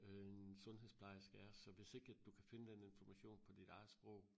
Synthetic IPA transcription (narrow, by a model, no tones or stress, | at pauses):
ensɔ̽nɦḛspʰlɑ̈ɪɐsɡ̥ææɐsɒ̽ʋe̝se̝ɡ̥əæd̥ukʰæfe̝nəd̥ene̝nfɒmæɕo̝̰ːnpʰɒ̽d̥id̥ɑ̈ɪð̩ˠsb̥ʁɔ̽ʊ̰